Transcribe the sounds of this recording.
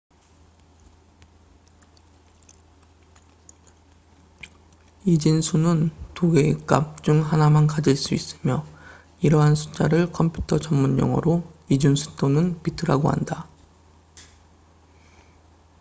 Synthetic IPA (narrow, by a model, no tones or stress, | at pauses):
id͡ʑinsʰunɯntoɡe̞ek͈a̰p̚t͡ɕ͈uŋɦanamankad͡ʑiɭs͈uis͈ɯmjʌ | iɾʌɦansʰu̥t͡ɕ͈aɾɯɭkʰʌmpʰju̥tʰʌt͡ɕʌmmunjʌ̰ŋʌ̰ɾoid͡ʑunsʰu̥t͈ʰonɯnpitʰɯɾa̰ɡoha̰nda